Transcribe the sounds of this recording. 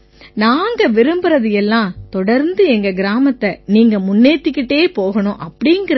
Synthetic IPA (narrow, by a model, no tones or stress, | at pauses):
naːŋɡɐʋɪɾɯmbɯɾɐðɯjɛlːãːt̪ɔɽɐɾnd̪ɯɛŋɡɐɡɪɾaːmɐt̪ːɐniːŋɡɐmʊnːeːt̪ːɪkːɪʈːeːpoːɣɐnʊ̃ʔɐpːɐɽɪŋɡɪɾ